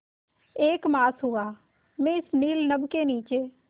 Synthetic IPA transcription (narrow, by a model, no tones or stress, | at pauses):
eːkmaːsɦʊaː | mẽɪsniːlnəbkeːniːt͡ʃeː